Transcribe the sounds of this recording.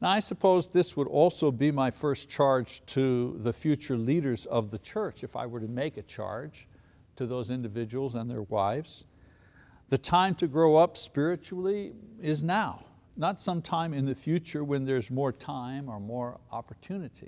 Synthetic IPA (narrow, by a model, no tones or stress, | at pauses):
naʊaɪsɨpʰoʊzðɪswəɾɔlˠsoʊbimaɪfɜ˞st͡ʃʰɑɹd̥d͡ʒ̥tʰɨðɨfjʉt͡ʃə˞liɾə˞zʌvðɨt͡ʃʰɜ˞t͡ʃɨfa̰ɪwə˞ɾɨmeɪkɨt͡ʃʰɑ̰ɹd̥ʒ̥ | tʰɨðoʊzɪ̃ndɨvɪd͡ʒɨwl̩ˠzə̃nðə̰˞wa̰ɪfz̥ | ðɨtʰãɪ̃mtʰɨɡɹoʊʌpspɪɹɨt͡ʃul̩ˠiɪznaʊ | nətsʌ̃mtʰãɪ̃mɨ̃nðɨfjʉt͡ʃə˞wɨ̃nðə˞zmɔɹtʰãɪ̃mə˞mɔɹɑ̰pə˞tʰʉnɨɾḭ